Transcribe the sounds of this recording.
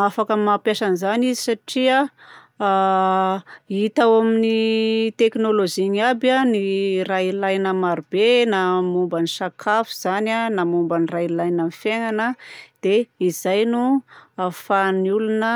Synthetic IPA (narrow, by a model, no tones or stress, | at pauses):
afakəmapjaʃanizanizisaʈ͡ʂia | it̪awaminit̪eknoloziŋabanirailajnəmaɾubenamumbanisakʰafu̥z̥ananamumbanirajlajnamifjeŋanəd̪̥eizajnuafaniulunə